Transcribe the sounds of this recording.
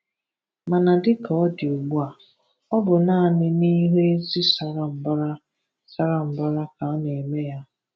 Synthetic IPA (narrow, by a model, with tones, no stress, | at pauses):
ma˨na˨dɪ˦ka˨ɔ˦dɪ˨o˨ɡ͡bu˦a˨ | ɔ˦bʊ˨na˦˨nɪ˦ni˦ɦe˦e˦zi˦sa˦ɾa˦m̩˨ba˦ɾa˦ | sa˦ɾa˦m̩˨ba˦ɾa˦ka˨˦ne˨me˦ja˦